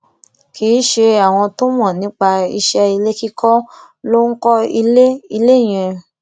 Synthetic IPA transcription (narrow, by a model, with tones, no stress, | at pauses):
ki˨˦ʃe˧a˨w̃ɔ̃˧to˦mɔ̃˦˨nĩ˨˦k͡pa˧i˧ʃɛ˦i˧le˦ki˦kɔ˦ | lo˦ŋ̩˦kɔ˦i˧le˦i˧le˦˨j̃ɛ̃˧